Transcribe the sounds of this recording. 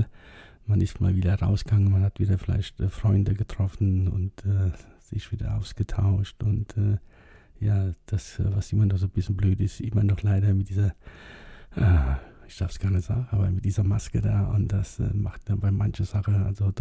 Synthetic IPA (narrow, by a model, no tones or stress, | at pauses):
manɪstma̰ːlviːdɐʁa̰ʊsɡ̥aŋənmanhatv̥iːdɐfɪla̰ɪçtɛfʁ̥ɔʏndəɡətʁ̥ɔfn̩ʊ̰ntɛːz̥ɪçv̥iːdɐ̰ʔaʊsɡ̥ətʰaʊʃtʊntɛː | jaːd̥asːvasʔɪmɐnɔχz̥oːbɪsçənbløːtɪstʔɪmɐnɔχlaɪɾɐmɪt̚d̥iːzɐ | ʔəːɪçd̥aɐfsɡ̥aɐnəz̥a̰ːɡŋ̩ʔaːbɐmɪt̚d̥iːzɐmaskədaːʔʊntd̥asɛ̰ːmaχtd̥anbaɪmançəz̥aχəʔa̰lzod